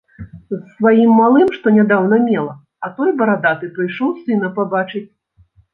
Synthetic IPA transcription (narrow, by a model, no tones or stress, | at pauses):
zsvajimːalˠɨmʂt̪ɔnʲad̪awnɐmʲɛlˠɐ | ɐt̪ɔjbɐɾad̪at̪ɨpɾɨjʂɔwsɨnɐpabat͡ʂɨt͡sʲ